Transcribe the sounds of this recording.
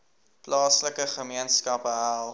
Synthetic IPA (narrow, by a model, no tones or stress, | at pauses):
plɑːsləkəχəmiənskɐpəɦælˠ